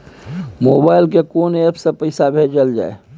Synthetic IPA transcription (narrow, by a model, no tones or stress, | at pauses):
moːbaːɪlkekoːnepʰsepəɪsabʱeːd͡ʒəld͡ʒa̰ːḛ